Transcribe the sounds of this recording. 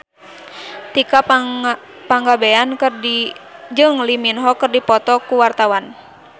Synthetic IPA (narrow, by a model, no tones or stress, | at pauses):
t̪ika | paŋɡabeankɨrdid͡ʒɨŋliminɦɔkɨrdipɔt̪ɔkuwart̪awan